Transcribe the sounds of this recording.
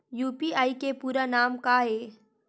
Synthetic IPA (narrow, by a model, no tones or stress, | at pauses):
juːpiaːikepuːɾanaːmkaɦeː